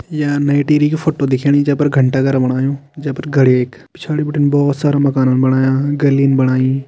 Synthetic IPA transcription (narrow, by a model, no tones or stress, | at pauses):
jaːnaːɪʈiːɾikefʰoːʈod̪ɪkʰiɽ̃id͡ʒɐ̃ːpɐɾɡʱɐ̃ɳʈaɡɐɾbɐɽ̃aːjõːd͡ʒɐ̃pɐɾɡʱɐɽeːkpɪt͡ʃʰaːɽibɪʈɪnɪbɔːt̪saːɾãmɐkaːnənɪ̆bɐɽ̃aːjãːɡɐliənɪ̆bɐɽ̃aːĩ